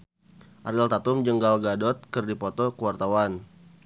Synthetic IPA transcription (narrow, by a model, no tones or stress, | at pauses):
ʔaɾalt̪at̪umd͡ʒəŋɡalɡadɔt̪̚kərdipɔt̪ɔkəwart̪awan